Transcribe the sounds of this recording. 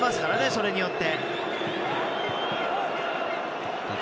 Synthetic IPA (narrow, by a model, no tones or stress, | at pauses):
masɨ̥kaɾane̞so̞ɾe̞ɲ̟ijo̞t̪ːe̞